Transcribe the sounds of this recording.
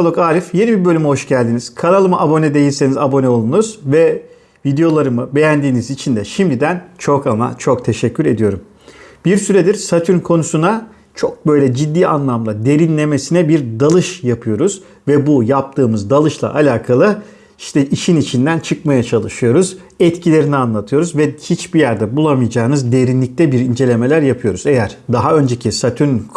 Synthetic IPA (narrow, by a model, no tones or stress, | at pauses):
lˠokaːɾifje̞nibiɾbø̞lʲymɛho̞ʃɟælʲd̪iniz̥kʰanalˠɯmaʔabo̞nɛd̪e̞jilʲse̞nizabo̞nɛolˠunuz̥vɛ | vid̪ejo̞lˠaɾɯmɯbe̞jænd̪iːnizit͡ʃʰind̪ɛʃimd̪id̪ænt͡ʃʰo̞kama̰t͡ʃʰok̚t̪ʰe̞ʃɛcʰːyɾe̞d̪ijo̞ɾum | b̥iɾsyɾɛd̪iɾsat̪ʰyɾkʰo̞nusuna | t͡ʃʰo̞k̚bø̞jlʲɛd͡ʒid̪ːiːa̰nlˠamlˠad̪e̞ɾinlʲe̞me̞sinɛbiɾd̪alˠɯʃjapʰɯjo̞ɾuz̥ | vɛbujap̚t̪ʰɯːmɯzd̪alˠɯʃlˠa̰ʔalʲaːkʰalˠɯ | iʃt̪ʰɛʔiʃinit͡ʃʰind̪ænt͡ʃʰɯkmajat͡ʃʰalˠɯʃɯjo̞ɾuz | ɛt̪cʰilʲe̞ɾinianlˠat̪ʰɯjo̞ɾuzvɛhit͡ʃbijæɾd̪ɛbulˠamɯjad͡ʒaːnɯzd̪e̞ɾinlʲic̚t̪ʰɛbiɾind͡ʒe̞lʲe̞me̞lʲæɾjapʰɯjo̞ɾuzejæɾ̥d̪aɦaø̞nd͡ʒecʰisat̪ʰyɾn